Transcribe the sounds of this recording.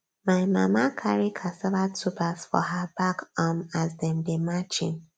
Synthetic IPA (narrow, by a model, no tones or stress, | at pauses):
maɪma̰makʰaɹikʰasɛlatʰupasfɔ̰ɦabakɔmazdɛ̃mdemat͡ʃḭ̃n